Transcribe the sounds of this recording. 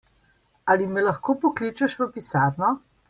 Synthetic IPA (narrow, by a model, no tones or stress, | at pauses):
alimɛlɐxkoːpɔklit͡ʃɛʃʋəpisaːɾnɔ